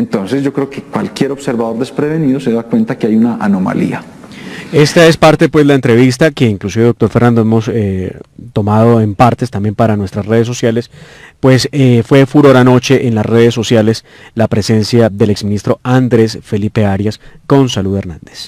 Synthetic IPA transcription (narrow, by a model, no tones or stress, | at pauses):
ent̪o̞nsezd͡ʒo̞kɾeokekwalkje̞ɾo̞bseɾbaðo̞ɾd̪espɾeβe̞niðose̞ðakwe̞nt̪akeajunaʔano̞ma̰lḭa̰ | e̞st̪ae̞spaɾt̪epwe̞zlaent̪ɾe̞βist̪ake̞iŋklusiβe̞ðok̚t̪o̞ɾfe̞rnand̪oemo̞set̪o̞mað̞o̞e̞mpaɾt̪e̞st̪ambje̞mpaɾanwest̪ɾasre̞ðes̬o̞sjale̞spwe̞sefwe̞fuɾo̞ɾano̞t͡ʃe̞ʔenlasre̞ð̞es̬ːo̞sjale̞s | lapɾe̞se̞nsjaðe̞lekzmĩnist̪ɾo̞and̪ɾe̞sfe̞lipe̞aɾjasko̞nsaluðeɾnand̪e̥s